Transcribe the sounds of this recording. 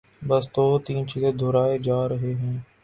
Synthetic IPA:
bəst̪oːt̪iːnt͡ʃiːzed̪ʱoːɾaːeːd͡ʒaːɾəɦeːɦɛ̃ː

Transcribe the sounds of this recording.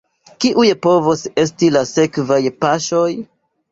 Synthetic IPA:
kiʔujepo̞vose̞stilase̞kvajpaʃo̞j

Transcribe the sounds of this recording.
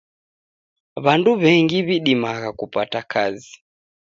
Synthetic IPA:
βanduβɛŋɡiβiɗimaɣakupatakʰazi

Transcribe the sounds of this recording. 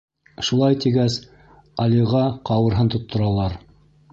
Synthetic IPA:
ʃulˠɑjt̪iɡæs | ɑliʁɑqɑwɤ̆ɾɦɤnt̪ŏt̪ʰːŏɾɑlˠɑɾ

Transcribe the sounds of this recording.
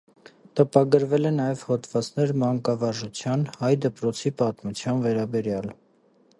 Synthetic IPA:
t̪əpɑɡəɾvɛlɛnɑjɛv̥hɔt̪ʰvɑt͡snɛɾmɑŋkɑvɑɾʒut͡sʰjɑnhɑjd̪əpɾɔt͡sʰipɑt̪mut͡sʰjɑnvɛɾɑbɛɾjɑl

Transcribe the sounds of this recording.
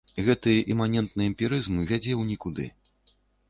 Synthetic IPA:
ɣɛt̪ɨʔɛmanʲɛnt̪̚nɨɛmʲpʲiɾɨzmɨvʲad͡zʲɛwnʲikud̪ɨ̰

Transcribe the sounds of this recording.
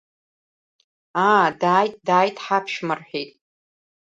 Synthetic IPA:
aːdaːjtʼdaːjtʼħapʰʃmɨrħᶣejtʼ

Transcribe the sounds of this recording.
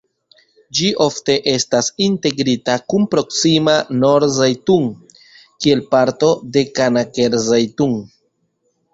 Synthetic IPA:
d͡ʒiʔo̞fte̞ʔe̞stasinte̞ɡɾitakunpɾo̞ksimano̞ɾzajtuŋ | kie̞lpaɾto̞de̞kanake̞ɾzajtuŋ

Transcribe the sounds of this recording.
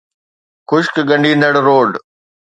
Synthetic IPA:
xʊʃkɡɐ̃ɳɖĩːnd̪əɽɾoːɖ

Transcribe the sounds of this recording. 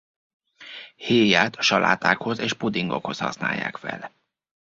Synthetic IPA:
heːjaːt̪ɒ̥ʃɒlʔaːt̪aːkho̞zeːʃpud̪iŋɡo̞̰kho̞shɒ̰sna̰ːjːa̰ːkfɛl

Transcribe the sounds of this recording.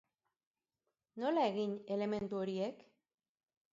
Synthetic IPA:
no̞lae̞ɣine̞le̞me̞nt̪uo̞ɾie̞k

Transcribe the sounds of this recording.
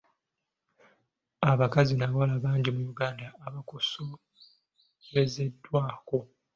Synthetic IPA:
aβakazinaβwalaβaːɲɟimujuɡaːndaːβakuso | jeze̞dːwaːko̞

